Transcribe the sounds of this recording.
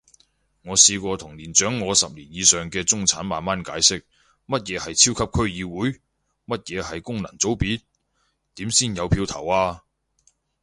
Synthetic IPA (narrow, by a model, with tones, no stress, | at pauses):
ŋɔː˨˧siː˧kʷɔː˧t̪ʰʊ˨˩ŋliː˨˩nt͡ʃœː˨˥ŋːɔː˨˧sɐ˨p̚liː˨˩njiː˨˧sœː˨ŋkɛː˧t͡sʊ˥ŋt͡sʰaː˨˥nmaː˨nmaː˥nkaː˨˥jsɪ˥k̚ | mɐ˥t̚jɛː˨˧hɐ˨jt͡sʰiː˥wkʰɐ˥p̚kʰɵ˥ɥjiː˨˧wuː˨˥j | mɐ˥t̚jɛː˨˧hɐ˨jkʊ˥ŋlɐ˨˩ŋt͡so˨˥wpiː˨˥t̚ | t̪iː˨˥msiː˥˩njɐ˨˧wpʰiː˧wt̪ʰɐ̰˨˩waː˧